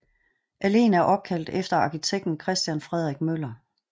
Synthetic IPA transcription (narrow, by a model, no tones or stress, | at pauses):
ʔæle̝̰ːnæɐʔɒ̽b̥̚kʰæl̰d̥efd̥ɐɑ̈kʰit͡sʰeɡ̥̚d̥n̩kʰʁɛsd̥jænfʁɛð̞̰ˠʁɡ̥̚mølɐ